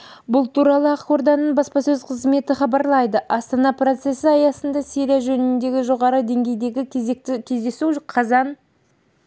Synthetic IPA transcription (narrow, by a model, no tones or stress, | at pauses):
bʊlˠt̪ʰuɾɑlˠəɑqo̞ɾd̪ɑnːəɴbɑspɑsɵzqʰəzme̞t̪ɪχɑbɑɾlˠɑjd̪əʔɑst̪ɑnɑpro̞t̪se̞sɪɑjɑsənd̪ɑseɾijaʒɵnɪnd̪e̞ɡʲɪʒo̞ʁɑɾəd̪e̞ŋɡʲe̞jd̪e̞ɡʲɪk̪ɪkʲʰe̞zd̪e̞suqʰɑzɑn